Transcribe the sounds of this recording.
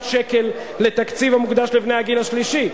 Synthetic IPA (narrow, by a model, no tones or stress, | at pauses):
ʃeke̞lː | e̞t̪akt͡sivamuɡd̪aʃlevnehaɡinaʃliʃi